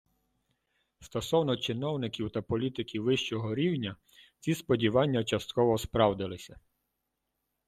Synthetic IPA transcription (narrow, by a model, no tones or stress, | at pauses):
st̪ɔsɔwnɔt͡ʃɪnɔwnɪkʲiwt̪ɐpɔlʲit̪ɪkʲiwʋɪʃt͡ʃɔɦɔɾʲiwnʲɐ | t͡sʲispɔdʲiʋɑnʲːɐt͡ʃɐst̪kɔʋɔspɾɑwd̪ɪlˠɪsʲɐ